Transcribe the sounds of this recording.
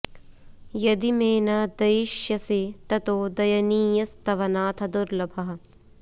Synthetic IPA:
jɐd̪imeːnɐd̪ɐjiʃjɐset̪ɐt̪oːd̪ɐjɐniːjɐst̪ɐʋɐnaːt̪ʰɐd̪uɾlɐbʱɐɦɐ̆

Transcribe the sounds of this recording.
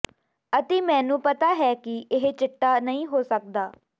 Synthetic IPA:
ət̪eːmɛ̃ːnũːpət̪aːɦɛːkɪɪɦt͡ʃɪʈːaːnəĩːɦoːsək̚d̪aː

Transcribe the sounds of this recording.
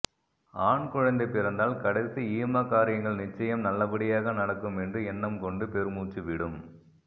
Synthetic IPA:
aːɳkɔɻɐnd̪ɐɪpɪɾɐnd̪aːlkɐɽɐɪsɯiːmɐkaːɾɪjɐŋɡɐɭnɪt͡ʃːɐjɐmnɐlːɐpɐɽɪjaːɣɐnɐɽɐkːɯmɛndrɯɛnːɐmkɔɳɖɯpɛɾɯmuːt͡ʃːɯʋɪɽɯm

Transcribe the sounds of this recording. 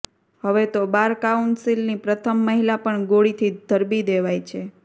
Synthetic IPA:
həʋet̪obaɾkaunsilnipɾət̪ʰəmːəɦilapəɳɡoɽit̪ʰid̪̥ʱəɾbid̪eʋajt͡ʃʰe

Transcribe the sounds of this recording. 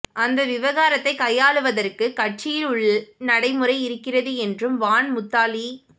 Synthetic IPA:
ʔɐnd̪ɐʋɪʋɐɣaːɾɐt̪ːɐɪkɐjːaːɭɯʋɐðɐrkɯkɐʈ̚t͡ʃɪjɪlʊɭːnɐɽɐɪmɯrɐɪɪɾɯkːɪrɐðɯɛndrɯmʋaːnmʊt̪ːaːli

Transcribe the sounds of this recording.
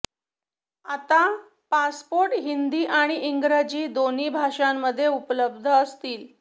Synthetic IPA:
at̪a | paspoɾʈɦind̪iːʔaɽ̃iʔiŋɡɾad͡ʑiːd̪oniːbʱaʂamːəd̪ʱːjeupləbd̪ʱəːst̪iːl

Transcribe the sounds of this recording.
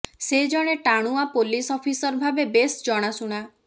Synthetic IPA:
sed͡ʒɔɽ̃eʈaɽ̃uapolisɔpʰisɔɾbʱabebesd͡ʒɔɽ̃asuɽ̃a

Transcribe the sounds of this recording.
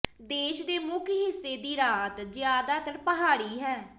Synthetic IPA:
d̪eːʃd̪eːmʊkiɦɪsːeːd̪iːɾaːt̪d͡ʒɪjaːd̪aːt̪əɾpəɦaːɽiːɦɛː

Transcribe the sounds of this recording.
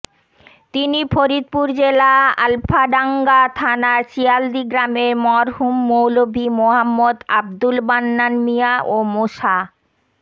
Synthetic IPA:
t̪inipʰoɾid̪̚puɾd͡ʑelaa̰lfʰaɖaŋɡat̪ʰanaɾt͡ɕiald̪iɡɾamemɔɾɦumːowlobʱimoɦamːɔd̪abd̪ulbanːanmiaʔomoʃa

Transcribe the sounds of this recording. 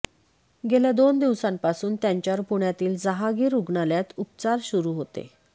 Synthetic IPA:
ɡeljad̪ond̪iʋsãmpasuːnt̪jaɲt͡ɕjaɾpuɳjat̪iːld͡zaɦaɡiːɾuɡɳaljat̪up̚t͡saɾɕuɾuːɦot̪ḛ

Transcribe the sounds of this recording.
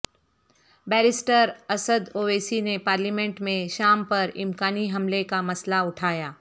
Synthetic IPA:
bɛːɾɪsʈəɾɐsəd̪oːweːsinepaːɾlimẽɳʈmẽʃaːmpɐɾɪ̰mkaːniɦɐmlekamɐslaʊʈʰaːjaː

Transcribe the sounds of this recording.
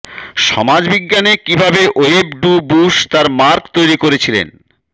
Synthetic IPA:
ʃɔ̰mad͡ʑbiɡːanekibʱabeʔoebɖubuʃt̪aɾmaɾkt̪ojɾikoɾet͡ɕʰilḛn

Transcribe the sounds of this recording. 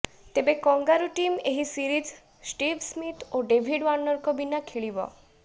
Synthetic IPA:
t̪ebekɔŋɡaɾuʈimeɦisiɾid͡ʒ | sʈibʱsmit̪ʰoɖebʱiɖwaɾnːɔɾkɔbinakʰeɭibɔ̰

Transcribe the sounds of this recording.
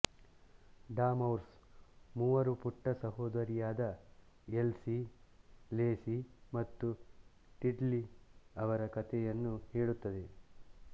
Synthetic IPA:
ɖaːmɐwɾsmuːʋɐɾupuʈːɐsɐɦoːd̪ɐɾijaːd̪ɐ | elsi | leːsimɐt̪ːu | ʈiʈliɐʋɐɾɐkɐt̪ʰɛjɐnːuheːɭut̪ːɐd̪e

